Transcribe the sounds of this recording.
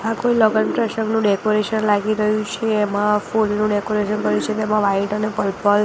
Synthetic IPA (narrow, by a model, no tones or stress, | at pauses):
akoiləɡənpɾeʃəŋɡnũɖekoɾeʃənlaɡiɾəɦjũt͡ʃʰeːmãfulnũɖekoɾeʃənkəɾjũt͡ʃʰet̪emãʋaiʈənepəlpəl